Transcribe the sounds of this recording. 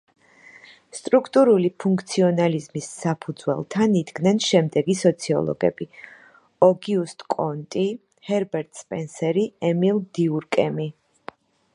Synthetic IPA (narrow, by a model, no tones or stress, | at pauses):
st̪ʼɾukʰt̪ʼuɾulipʰuŋkʰt̪sʰiɔnalizmisːapʰud̪zwɛ̰lˠt̪ʰanid̪ɡnɛnʃɛmd̪ɛɡisɔt̪sʰiɔ̰lˠɔ̰ɡɛ̰b̥i | ɔɡiust̪ʼkʼɔnt̪ʼi | hɛɾbɛɾt̪ʼspʼɛnsɛɾiɛmilˠd̪iuɾkʼɛmi